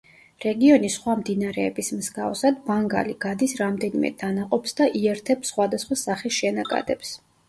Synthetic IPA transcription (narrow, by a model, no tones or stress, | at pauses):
ɾɛɡiɔnisχwamd̪inaɾɛːbismzɡavsad̪baŋɡa̰liɡad̪isɾamd̪ɛnimɛ̰d̪̥anaqʼɔpsd̪aʔiɛɾt̪ʰɛpsχwad̪asχwasaχisʃɛnakʼa̰d̪ɛps